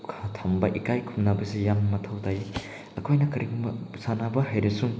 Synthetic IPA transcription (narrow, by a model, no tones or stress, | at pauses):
ɐtʰambɐʔikajkʰumnabɐsijamːɐtʰɐwtʰaj | ɐkʰojnɐkɐɾiɡumɐsanabɐɦajɾɐsuŋ